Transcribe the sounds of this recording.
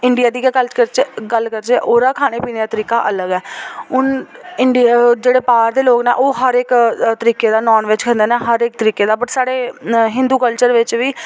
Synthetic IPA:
ɪɳɖijaːd̪iːɡkələɾt͡ʃɡəlkəɾt͡ʃeʔoːɾaːkʰaːneːpiːneːaːt̪əɾiːkaːʔələɡɛːʊnɪɳɖd͡ʒeːɽeːpaːɾd̪eːloːkneːʔoːɦəɾɪkt̪əɾiːkeːd̪aːnɔːnʋɪt͡ʃkʰə̃nd̪eːnaːɦəɾɪk̚t̪əɾiːkeːd̪aːpəʈsaːɽeːɦɪnd̪uːkəlt͡ʃəɾʋɪt͡ʃʋiː

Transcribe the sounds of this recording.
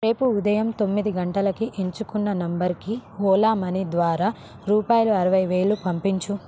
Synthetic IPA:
ɾe̞ːpuːd̪ɐjɐmt̪o̞mːid̪iɡɐɳʈɐlɐkiʔeɲt͡ʃukunːɐnɐmbɐɾkiɔːlaːmɐnid̪ʋaːɾaː | ɾuːpaːjɐluɐɾɐʋɐjʋe̞ːɭːupɐmpiɲt͡ʃu

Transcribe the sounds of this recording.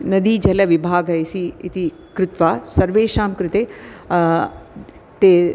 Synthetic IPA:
nɐd̪id͡ʒɐlaʋibʱaːɡɐjsiit̪i | kɾɪt̪ʋasɐɾʋeːʃaːmkɾɪt̪e | t̪e

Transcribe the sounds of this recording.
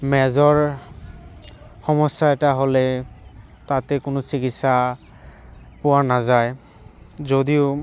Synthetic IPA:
mɛzɔɹ | xɔmɔsːaɛtaɦolɛ | tatɛkʊnʊsikitsa | pʊwanazaj | zodiʊ

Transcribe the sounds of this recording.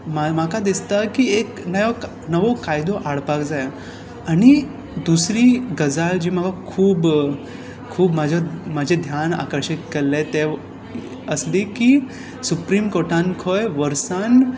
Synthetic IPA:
mamakad̪ist̪akieknəjok | nəʋokajd̪oʔaɽpakd͡zaja | aɽ̃i | d̪usɾiːɡəd͡zaɭd͡ʑiːməɡakʰuːb | kʰuːbmad͡ʑʱamad͡ʑʱed̪ʱjana̰kəɾɕikːeɾlet̪e | əsliki | supɾimkoɾʈãnkʰojʋəɾsan

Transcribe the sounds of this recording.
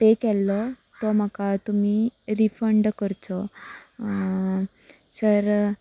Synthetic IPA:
pekɛlːɔ | t̪ɔm̤akat̪umiɾifəɳɖkəɾt̪ɔ | səɾ

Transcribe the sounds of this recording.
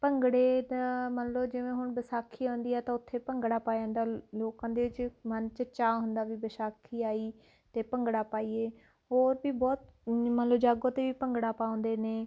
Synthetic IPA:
pəŋɡɽeːd̪amənləd͡ʒɪʋẽːɦʊɳbəsaːkʰːiːãːnd̪iːɛːt̪ãːʊt̪ʰːeːpəŋɡɽaːpaːjãːnd̪aːloːkãːd̪eːʋɪt͡ʃmənt͡ʃət͡ʃaːɦʊnd̪aːʋiːbəsaːkʰːiːaːiː | t̪eːpəŋɡɽaːpaːiːeː | ɦoːɾbiːbɔːt̪mənləbd͡ʒaːɡõːt̪eːʋiːpəŋɡɽaːpaːõːnd̪eːneː

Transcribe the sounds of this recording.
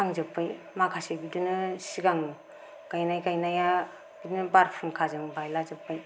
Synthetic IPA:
aŋzɯpːɯj | makʰasebidunɯsiɡaŋɯ | kajnajkajnaja | bidnɯbaɾpʰunkʰazɯŋbajlazɯpːaj

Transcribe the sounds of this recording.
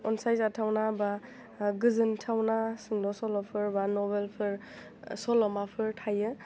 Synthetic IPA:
ɔnsajzatʰawnaba | ɡɯzɯntʰawnasɯŋdɔsɔlɔpʰɯɾbanɔbelpʰɯɾ | sɔlɔmapʰɯɾtʰajɯ

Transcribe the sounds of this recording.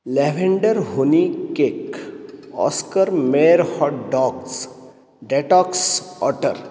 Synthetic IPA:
leʋẽɳɖəɾɦonikek | ɔ̰ːskəɾmeːɾhɔːʈɖɔːks | ɖeʈɔːksɔ̰ːʈəɾ

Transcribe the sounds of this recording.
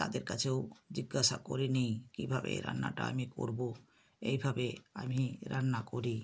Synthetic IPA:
t̪ad̪eɾkat͡ɕʰewd͡ʑiɡːaʃakoɾinijkibʱabḛɾa̰nːaʈaamiko̰ɾbo | ejbʱabeamiɾanːakoɾi

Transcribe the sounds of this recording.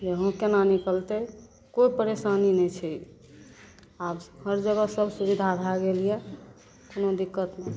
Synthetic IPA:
d͡ʒeɦõkenanikəlt̪ɛ | koipəɾesaninɛt͡ʃʰɛ | abhəɾd͡ʒəɡəsəbʱsuβid̪ʱabʱaɡelije | konod̪ikːət̪me

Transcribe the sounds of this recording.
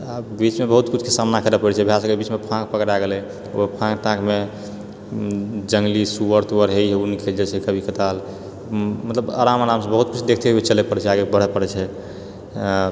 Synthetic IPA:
abit͡ʃmebəɦut̪kut͡ʃʰkesamnakəɾepəɽɛt͡ʃʰɛbʱjasəkebit͡ʃmepʰãkpəkɾaɡelɛ | o̰pʰãkʈãkme | d͡ʒəŋɡlisuwəɾt̪uwəɾɦejɦeunikʰeld͡ʒɛt͡ʃʰɛkəbʱikət̪al | mət̪ləba̰ɾamaɾamsə̃bəɦut̪̚kut͡ʃʰd̪ekʰt̪eɦet͡ʃəlɛpəɽɛt͡ʃʰɛaɡebəɽ̤ɛpəɽɾɛt͡ʃʰɛ

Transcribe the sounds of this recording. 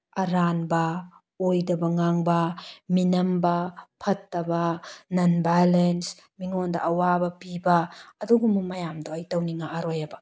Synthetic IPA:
ɐɾanbɐ | ojdɐbɐŋaŋbɐminɐmbɐpʰɐtːɐbɐnɐnbalens | miŋondɐʔːwabɐpibɐːduɡumumɐjamdoɐjtɐwniŋaʔaɾojɐbɐ

